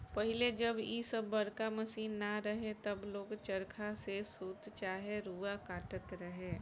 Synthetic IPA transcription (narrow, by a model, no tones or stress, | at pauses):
pɐɦɪled͡ʒɐbiːsəbːɐɾkamɐsiːnːaɾɐɦet̪ɐbloːɡt͡ʃɐɾkʰasesuːt̪t͡ʃaːɦeɾuːakaːʈət̪ɾɐɦẽː